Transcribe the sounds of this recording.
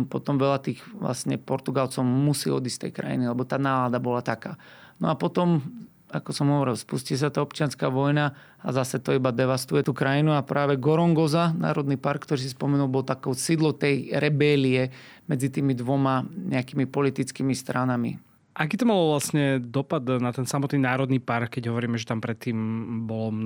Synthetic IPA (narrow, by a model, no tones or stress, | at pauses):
pɔt̪ɔmʋɛlat̪iːxʋla̰sɲɛpɔɾt̪uɡalt͡sɔʊmusḭːɔ̰d̪ist̪ɛ̰jkɾa̰jḭnilɛbɔt̪aːnaːlaːd̪abɔlat̪akaːnɔ̰apɔt̪ɔm | akɔsɔmɦɔʋɔɾilˠspuscis̬at̪aːɔpt͡ʃɪanskaːʋɔjna | a̰zasɛt̪ɔibad̪ɛʋast̪ujɛt̪uːkɾajinuapɾʔaːʋɛɡɔɾɔŋɡɔzana̰ːɾɔd̪nipaɾkːt̪ɔɾiːs̬ispɔmɛnulˠbɔlt̪akɔːsid̪lɔt̪ɛjɾɛbɛliɛ | mɛd͡zit̪iːmid̪ʋɔmaɲɛakimipɔlit̪it͡skiːmist̪ɾanamḭ | ʔakiːt̪ɔmalɔʋlasɲɛd̪ɔpad̪nat̪ɛnsamɔt̪niːnaːɾɔd̪niːpaɾkːɛɟɦɔʋɔɾiːmɛʒɛt̪ampɾɛt̪ːiːmbɔlɔ